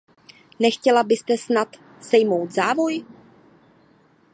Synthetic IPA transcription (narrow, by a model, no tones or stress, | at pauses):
nɛxcɛlabɪst̪ɛsnat̪ | sɛjmo̞wt̪zaːvo̞j